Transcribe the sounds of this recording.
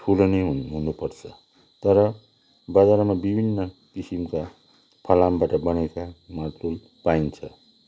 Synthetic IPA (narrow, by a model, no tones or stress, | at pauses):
ʈʰulonʌjɦɦunupʌrt͡sʰʌ | t̪ʌɾʌ | bʌd͡zaɾmabibʱinːʌkisimka | pʰʌlambaʈʌbʌnekamart̪ul | paint͡sʰʌ